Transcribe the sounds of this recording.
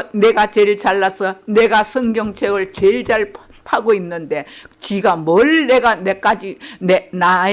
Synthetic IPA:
ne̞ɡat͡ɕeɭt͡ɕaɭːasʰʌne̞ɡasʰʌŋɡjʌŋt͡ɕʰeɡɯɭt͡ɕeɭd͡ʑaɭ | pʰaɡoinːɯnde̞t͡ɕiɡamʌɭne̞ɡanek͈ad͡ʑinena

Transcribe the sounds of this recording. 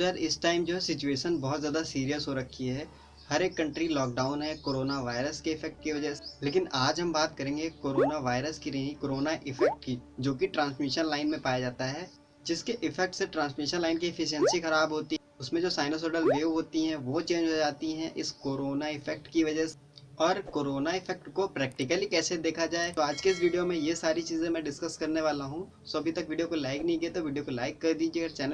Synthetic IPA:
ɐɾɪsʈaːɪmd͡ʒoːɦɛsɪt͡ʃueːʃənbɐɦʊt̪zjaːd̪asiːɾijəsɦoɾɐkʰːiɦɛː | hɐɾeːkːɐ̃ɳʈɾilɔːk̚ɖaːʊnɦɛkoːɾoːnaʋaːɪɾəskeɪfʰɛk̚ʈ̚kiʋɐd͡ʒəɦseleːk̬ɪnaːd͡ʒɦɐ̃mbaːt̪kɐɾẽːŋɡekoːɾoːnaʋaːɪɾəskinɐɦĩkoːɾoːnaʔɪfɛk̚ʈkid͡ʒoːkiʈɾãːnsmɪʃənlaːɪnmẽpaːjad͡ʒaːt̪aɦɛː | d͡ʒɪskeʔɪfɛk̚ʈseʈɾãːnsmɪʃənlaːɪnkiɪfɪʃiɛ̃nsixɐɾaːbɦoːt̪i | ʊsmẽd͡ʒoːsaːɪnosɔːɖəlʋeːɦoːt̪iɦɛ̃ʋot͡ʃẽːɲd͡ʒɦod͡ʒaːt̪iɦɛ̃ʔɪskoːɾoːnaɪfʰɛk̚ʈkiʋɐd͡ʒəse | ɔːɾkoːɾoːnaɪfʰɛk̚ʈkopɾɛːk̚ʈɪkəlikɛːsed̪eːkʰad͡ʒaːet̪oaːd͡ʒkeɪs̬ʋiːɖijomẽjesaːɾit͡ʃiːzẽmɛ̃ɖɪskɐskɐɾneʋaːlaɦũ | soɐbʱit̪ɐkʋiːɖijokolaːɪknɐɦĩɡɐet̪oʋiːɖijokolaːɪkːɐɾd̪iːd͡ʒiːɐɡəɾt͡ʃɛːnə

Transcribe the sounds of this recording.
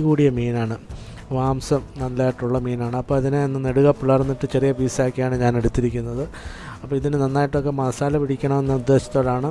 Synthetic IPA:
kuːɽijɐmiːnaːɳɨ | ʋaːmsɨmnɐnlaːjiʈːuɭːɐmiːnaːɳɨɐpːoːɐðinenːɨneɽuɣɐpːiɭɐrnːiʈːɨt͡ɕerijɐbiːsaːkːijaːɳɨɲaːne̞ɽut̪ːiɾikʲːunːɐðɨ | ɐpːɐːiðinɨnɐnːaːjiʈːok̬ːe̞mɐːsaːlɐpiɽikʲːɐɳɐme̞nːɐud̪ːe̞ːɕɐ̥t̪ːo̞ːɽaːɳɨ

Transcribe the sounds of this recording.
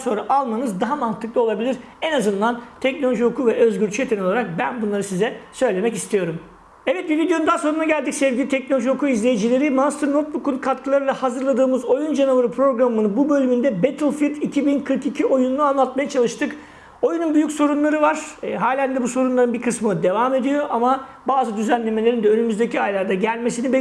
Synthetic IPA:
so̞nɾaʔalˠmanɯzd̪aɦamant̪ʰɯklˠɯo̞lˠabilʲiɾ | ɛnazɯnd̪ant̪ʰɛcnolʲo̞ʒihokʰuvɛʔø̞zɟyɾt͡ʃʰyjet̪ʰenoaɾak̚bænbunlˠaɾɯsizɛsø̞jlʲe̞mɛcist̪ʰijo̞ɾum | ɛvɛt̪̚bivid̪ejo̞nund̪aːso̞ɾunaɡɟælʲd̪icʲsɛvɟʲilʲit̪ʰɛc̚no̞lʲoʒihokʰuizlʲejid͡ʒilʲe̞ɾimanst̪ʰɾnot̪̚bukunkʰat̪kʰɯlˠaɾɯlˠahazɯɾlˠad̪ɯːmɯzo̞jund͡ʒanuvaɾɯpʰɾo̞ɡɾamɯnɯbubø̞lʲymynd̪ɛbet̪ʰɯlˠfit̪icʰibinkʰɯɾkicʰiʔo̞junuuanlˠat̪majat͡ʃʰalˠɯʃt̪ʰɯk | o̞jununbyjycso̞ɾunlˠaɾɯvaɾ̥ɦaːlʲænd̪ɛbuso̞ɾunlˠaɾɯnbiɾkʰɯsmɯd̪e̞vaːme̞d̪ijo̞ʔamabaːzɯd̪yzænlʲe̞me̞lʲeind̪ɛønymyzd̪e̞cʰiajlˠaɾd̪aɟælʲme̞sinib

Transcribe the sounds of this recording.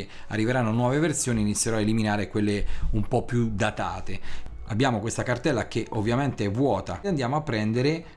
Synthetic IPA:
a̰rːiveɾanːonwɔːveversjoːniːnit̪sːjeɾɔad̪eliminaːɾekwelːeumpɔpːjud̪at̪aːt̪ea̰bːjaːmokwest̪akart̪ɛlːakeʔovːjament̪eɛvːwɔːt̪aand̪jaːmoapːɾɛnd̪eɾe

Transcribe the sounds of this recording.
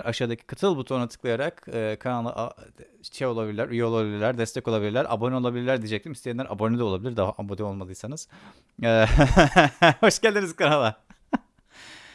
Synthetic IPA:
ɾʔaʃaːd̪acʰi̥kʰat̪ʰɯlˠbut̪ʰo̞nat̪ʰɯ̥klˠajaɾakɯkʰanalˠːɯ̰ʔ | t͡ʃʰːɛjo̞lˠabilʲiɾʲæɾyjeo̞lˠaabilʲiɾlʲæɾd̪ɛst̪ʰɛko̞lˠabilʲiɾlʲæɾʔa̰bonyo̞lˠabilʲiɾlʲæɾd̪id͡ʒɛc̚t̪ʰimist̪ʰeinʲæɾʔa̰bo̞nyd̪ɛlˠabilʲiɾd̪aɦaʔambod̪io̞lˠmad̪ˠɯjsanɯz̥ | ɛː | ho̞ʃɡɟælʲd̪iniz̥kanalˠa

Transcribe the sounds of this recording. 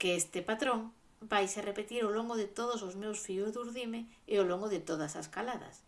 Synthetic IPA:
keest̪ɪpat̪ɾoŋ | bajʃarepet̪iɾoloŋɡʊðɪt̪oðʊs̬ozmewsfiʊzðuɾðimeeoloŋɡʊðɪt̪oð̞ɐsɐskalaðɐ̰s

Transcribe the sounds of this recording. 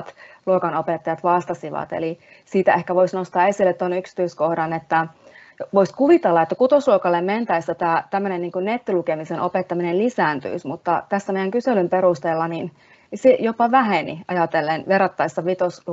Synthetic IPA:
t̪luokɑnopet̪ːɑjɑt̪ʋɑst̪ɑsiʋɑ̰t̪ḛli | siːt̪æehkæʋoisnost̪ɑːesilːet̪t̪onyksi̥t̪yiskohdɑnet̪ːæ | ʋoiskuʋit̪elːɑet̪ːækut̪osluokɑlːemment̪æist̪æt̪æːt̪æmːønenniːŋkunnet̪ːilukemisenʔopet̪ːɑminellisæːnt̪y̰ismut̪ːɑt̪æsːæmeˑjæŋkyselymperust̪elːɑnin | sejopɑʋæɦenḭʔɑ̰jɑt̪elːenʋerːɑt̪ːɑisːɑʋit̪osl

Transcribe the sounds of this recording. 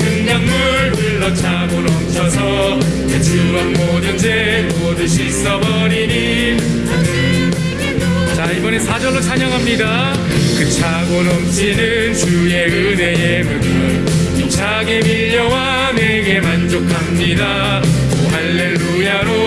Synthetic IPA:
ɯŋɡaŋmuɾ | ɯɭːʌt͡ɕʰaɡonʌmt͡ɕʰʌsʰʌ | kɯt͡ɕʰɯmʌnmodɯnd͡ʑe | modɯɕʰis͈ʌbʌɾini | t͡ɕaibʌne̞sʰad͡ʑʌɭːot͡ɕʰaɲʌŋɦamɲida | kɯt͡ɕʰaɡonʌmt͡ɕ͈inɯ | nt͡ɕuje̞ɯne̞jemɯ | jʌn | imt͡ɕʰaɡemiʎːʌwa | ne̞ɡe̞mand͡ʑokʰamɲida | moɦaɭːe̞ɭːujaɾo

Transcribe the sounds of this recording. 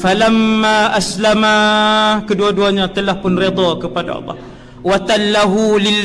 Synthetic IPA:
falamːaʔaslamakəduaduaɲat̪əlahpʊnred̪ɔkəpada̰ɑ̰lˤːɑ̰h | wat̪alːaɦulɪlː

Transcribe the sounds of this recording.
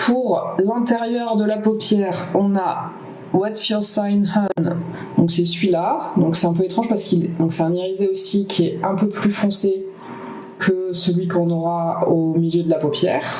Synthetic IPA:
pʰuʁlɛ̃t̪eʁjœʁd̪əlapopjɛʁɔ̃na | wat̪syʁsajnhan | d̪ɔ̃ksɛsɥilad̪ɔ̃ksɛt̪ɛ̃p̬øet̪χɑ̃ʒpaʁsə̥kild̪ɔ̃ksɛt̪ɛ̃neʁizeosikʰʲiɛɛ̃pøplyfɔ̃se | kʰəsəlɥikɔ̃nɔʁaomiljød̪əlapopjɛːʁ

